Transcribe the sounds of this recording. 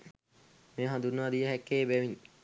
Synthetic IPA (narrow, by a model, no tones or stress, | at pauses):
meːɦand̪unːəʋad̪ijəɦɛkːeːbɛʋin